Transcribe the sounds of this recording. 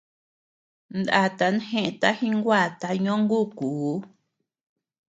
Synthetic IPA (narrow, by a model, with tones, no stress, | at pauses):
nd̪a̰˦˨t̪a˧˦n˦hẽ˦ʔẽ˧t̪a˦hĩ˦ŋɡwa˦˨t̪a˧ɲõ˦ŋɡu˦˨ku˨˦